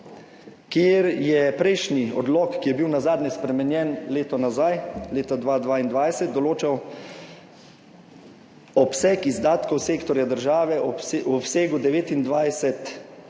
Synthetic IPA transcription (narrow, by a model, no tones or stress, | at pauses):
kjeːɾjɛpɾɛjʃniɔ̰d̪lɔːkkːijɛbiwnazaːd̪nɛspɾɛmɛnjɛnleːt̪ɔnazajleːt̪ad̪ʋaːd̪ʋaːind̪ʋajsɛt̪̚d̪ɔloːt͡ʃaw | ɔpsɛkizd̪aːt̪kɔwseːkt̪ɔɾjad̪əɾʒaːʋɛwɔpseːɡud̪ɛʋeːt̪ind̪ʋajsɛt̪